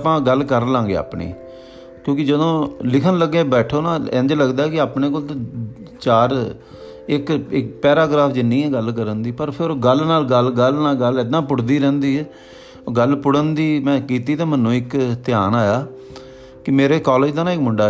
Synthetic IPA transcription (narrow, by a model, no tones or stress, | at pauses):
pãːɡəlkəɾlãːŋɡḛːa̰ːpɳḭː | kjõːkɪd͡ʒəd̪õːlɪkʰənləɡːẽːbɛːʈʰoːnãːɛ̰̃nd͡ʒləɡd̪aːkɪaːpneːk̬oːlt̪ãt͡ʃaːɾ | ɪkɪkpɛːɾaːɡɾaːpʰd͡ʒɪnːĩːɛːɡəlk̬əɾənd̪iːpəɾpʰɪɾɡəlnaːlɡəlɡəlnaːlɡəlɪd̪ãːpʊɽd̪iːɾɛ̃ːnd̪iːɛː | ɡəlpʊɽənd̪iːmɛ̃ːkiːt̪iːt̪ãːmənũːɪkt̪ɪjaːnaːjaː | kɪmeːɾeːkɔːleːd͡ʒd̪ãːnãːɪkmʊɳɖaː